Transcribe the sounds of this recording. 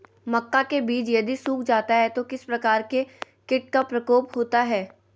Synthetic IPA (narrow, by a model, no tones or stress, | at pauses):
mɐkːakebiːd͡ʒjɐd̪isuːkʰd͡ʒaːt̪aɦɛt̪okɪspɾɐkaːɾke | kɪʈ̚kapɾɐkoːpɦoːt̪aɦɛː